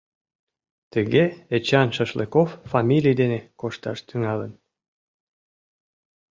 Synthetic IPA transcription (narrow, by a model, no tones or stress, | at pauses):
t̪əɣeet͡ɕɑnʃəʃlḛkofːɑmʲilʲijd̪enekoʃt̪ɑ̰ʃt̪yŋɑlən